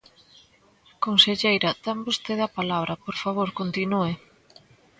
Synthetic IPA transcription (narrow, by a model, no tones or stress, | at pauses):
konseʎejɾɐd̪ambost̪eðɐpalaβɾɐpoɾfaβoɾkont̪inue